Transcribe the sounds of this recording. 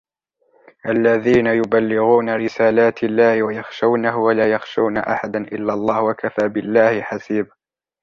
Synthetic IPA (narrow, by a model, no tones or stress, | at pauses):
ʔalːaðiːnajʊbalːɪɣuːnaɾɪsaːlaːt̪ʰɪlːaːhɪwajɑxʃawnaɦʊwalaːjaxʃawnaʔa̰ħad̪anʔɪ̰lːalˤːɑːhwakafaːbɪlːaːhɪħasiːba